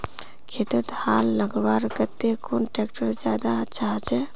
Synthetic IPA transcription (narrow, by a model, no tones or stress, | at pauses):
kʰet̪ut̪haːlːəɡʋaɾkət̪ːekʰonʈekʈəɾd͡ʒjaːd̪aətːʃʰaɦt͡ʃʰɛ